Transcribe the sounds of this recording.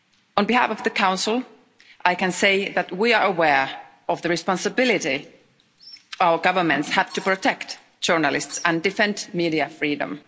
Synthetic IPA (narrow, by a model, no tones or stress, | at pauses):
ə̃nbihæ̰fɔvðɨkʰãʊ̃nsl̩ˠ | ʔaɪkɨ̃nseɪðæt̚wiə˞əwɛɹ | ʌvðɨɹɨspɑ̃nsɨbɪlˠɪɾi | aʊə˞ɡʌvə˞mɨ̃ntshæd̥tɨpɹɨtʰɛkt | ʒ̥ɜ˞nəlɪstsə̃ndɨfɛ̃ntmiɾiɨfɹidə̰̃m